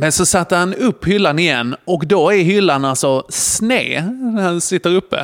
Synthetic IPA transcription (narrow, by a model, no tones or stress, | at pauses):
mɛnsɔsat̪ːəɾhanɵpːhʏlːanɪjɛnːɔkd̪ɔæɾɦʏlːanalsɔsnḛːnæɾhansɪt̪ːəɾɵpːə̰